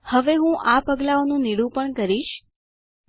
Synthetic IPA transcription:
həʋeɦũʔapəɡlaonũniɽũpəɳkəɾiʃ

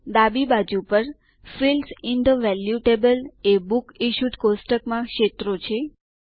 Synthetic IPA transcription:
d̪abibad͡ʒupəɾ | filsiɪnd̪əʋɛljuʈebəlebukiʃud̪kosʈəkmãkʃet̪ɾot͡ʃʰe

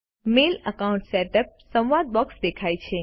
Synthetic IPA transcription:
meləkaũɳʈseʈəp̚sə̃wʋad̪̚bɔksd̪ekʰajt͡ʃʰe

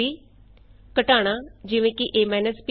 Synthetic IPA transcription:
iː | kəʈaːɽ̃aːd͡ʒɪʋẽːkɪʔeːmɛːnəsp

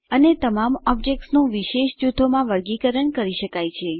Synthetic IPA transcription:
ənet̪əmamɔb̚d͡ʒek̚ʈsnũʋiʃeʃd͡ʒut̪ʰːomãʋəɾɡikəɾəɳkəɾiʃəkajt͡ʃʰe

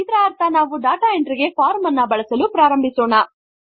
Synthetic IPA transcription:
id̪ɾaːɾt̪ʰɐnaːʋuɖaːʈaːeɳʈɾiɡe̞faːɾmɐnːɐbɐɭɐsɐlupɾaːɾɐmbʱisoːɳɐ

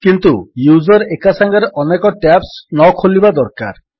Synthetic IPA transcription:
kint̪ujuzɔɾekasaŋɡɔɾeʔɔnekɔʈɛpsnɔkʰolibad̪ɔɾka̰ɾ

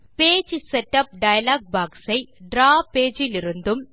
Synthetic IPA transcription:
peːd͡ʒɨsɛʈːɐp̚ɖɐjɐlaːɡ̚baːksɐɪɖɾaːpːeːd͡ʒɪliɾund̪ɯm

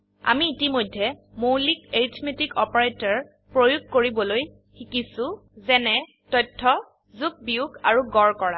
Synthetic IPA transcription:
a̰miːtimojdʱːɛmowlikeɹitʰmetikɔpaɹetɔɹ | pɹojuɡ̚koɹibɔloj | xikisʊ̃ | zɛnɛ | tɔjtʰːɔ | zuk̚bijuɡa̰ɹuɡɔɹkɔɹa̰

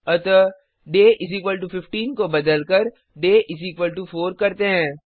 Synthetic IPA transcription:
ɐt̪ə | ɖeːʔɪs̬iːk̬ʋəlʈufɪfʈiːnkobɐd̪əlkəɾ | ɖeːʔɪs̬iːkʋəlʈufoːɾkɐɾt̪eɦɛ̃ː

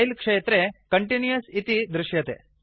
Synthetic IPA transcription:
ilkʂet̪ɾekəɳʈinjəsit̪id̪ɾuɕjɐt̪ḛ

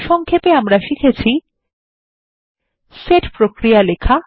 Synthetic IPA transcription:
ʃɔŋkʰepeamɾaʃikʰet͡ɕʰi | seʈpɾokɾijalekʰa

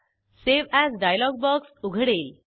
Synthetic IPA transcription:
seʋæzɖajlɔɡ̚bɔksuɡʱəɽel

